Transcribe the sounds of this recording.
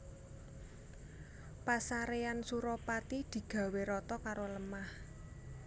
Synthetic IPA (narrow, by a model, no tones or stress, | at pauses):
pasaɾeansuɾɔpat̪id̪̥i̤ɡ̥ä̤weɾɔt̪ɔkaɾoləmah